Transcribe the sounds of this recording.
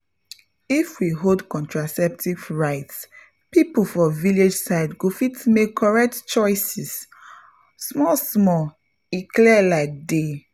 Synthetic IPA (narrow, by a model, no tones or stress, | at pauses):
ifwiɦodkɔ̃ntɹasɛp̚tʰivɹaɪts | pipufɔviled͡ʒsaɪdɡofitmekʰːɔɹɛk̚tt͡ʃɔɪsis | smɔsmɔ | iklɛlaɪk̚de